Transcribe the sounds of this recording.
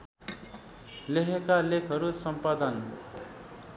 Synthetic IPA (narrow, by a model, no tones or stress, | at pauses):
leɦekalekʰʌɾusʌmpad̪ən